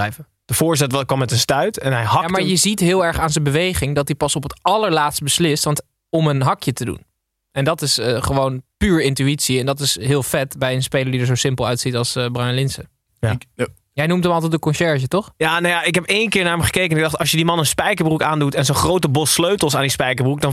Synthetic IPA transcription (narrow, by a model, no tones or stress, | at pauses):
ɛjvə | d̥əv̥ʊːɹsɛtʋkʋɑmːɛtənstœɥtɛnɦɛjɦɑamaɹjəzitɦɪːlˠɛɹχaːnzənbəʋejχɪŋdɑt̚dipɑsɔpətɑləɹlaːtst̚bəslɪstʋɑnt | ɔmənɦɑkjətədṵn | ɛndɑtɪsəχəʋownpyːɹɪntyitsiɛndɑtɪsɦɪːlˠfɛtbɛjənspejləɹdidəɹzowsɪmpəlˠœɥtsitɑlˠsbranlɪnsə | jɛjnumtɦəmɑlˠt̬ɛt̚dəkɔnʃɛɹʒətɔχjaːnojaɪkɦɛpejnkɪːɹnaːɹɛmχəkejkənɪɡ̚dɑχtɑʃjədimɑnənspɛjkəɹbrukaːndutɛnzonχrowtəbɔsløɥtəlˠsaːndispɛjkəɹbruk̚dɑn